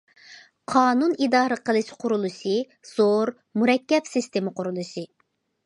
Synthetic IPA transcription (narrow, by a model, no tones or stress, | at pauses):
qʰɑːnunid̪ɑːɾəqʰəlˠɨʃqʰʊɾulˠuʃɨ | z̥oɾ | muɾɛkʲːɛpsist̪emɨqʊɾulˠuʃɨ